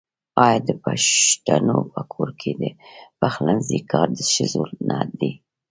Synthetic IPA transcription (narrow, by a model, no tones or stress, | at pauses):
ɑjɑd̪əpaʃt̪anopəkʰoɾkʰed̪əpaxlanzikʰɑɾd̪əʃəzolnʔad̪i